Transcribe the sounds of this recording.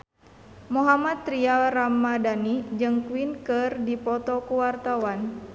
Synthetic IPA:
muɦamat̪ːɾialramːadanid͡ʒɨŋkwinkɨrdipɔt̪ɔkuwart̪awan

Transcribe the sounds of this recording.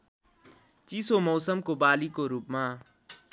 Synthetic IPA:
t͡ʃisomɐːsəmkobaːlikoɾuːpmãː

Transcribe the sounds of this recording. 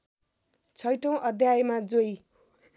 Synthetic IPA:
t͡sʰʌjʈow̃ʔʌd̪ʱjajemad͡zoj

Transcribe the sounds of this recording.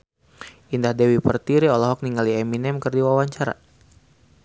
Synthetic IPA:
indahdɛwipərt̪iɾiɔlɔɦɔk̚niŋaliɛminɛmkərdiwawaɲt͡ʃaɾa̰

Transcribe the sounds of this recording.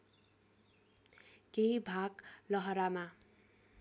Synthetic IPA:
keibʱaɡlʌɦʌɾama

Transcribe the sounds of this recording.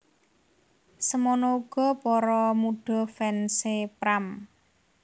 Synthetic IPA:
səmɔnɔuɡ̥ɔ̤pɔɾɔmuɖ̥ɔ̤fɛnsepɾam

